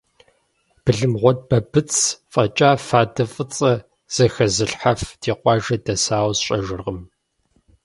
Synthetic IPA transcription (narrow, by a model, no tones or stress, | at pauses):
b̥ɨɮɨmʁʷɔd̚bɐbɨt͡sʰfʼɐt͡ʃʼaːfaːdɐfʼɨt͡sʼɐ | z̥ɐxɐzɨɬħafd̥iːqʷɑːʒɐdɐsaːwzɕʼɐʒɪrʁəm